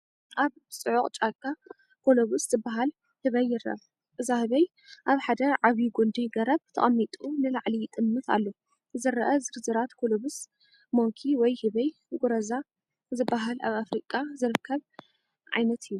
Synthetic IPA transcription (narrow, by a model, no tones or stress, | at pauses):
ʔaβ | sʼɨʕuqʼt͡ʃʼakʼːa | kʰoloβusz̥ɨbːaɦal | hɨβɐjːɪɾɐ̰β | ʔɨzahɨβɐj | ʔaβħad̪ɐʕaβiɡund̪iɡɐɾɐβt̪ʰɐ̰χʼɐmːit̪ʼunɨlaʕlit̪ʼɨmːɨt̪a̰lːo | zɨɾɐʔɐzɨɾzɨɾat̪kʰoloβus | moŋkʰiwɔjhɨβɐj | ɡuɾɐza | zɨbːaɦalʔa̰βafɾikʼazɨɾɨkʰːɐβ | ʕa̰jnɐt̪ʰɨjːu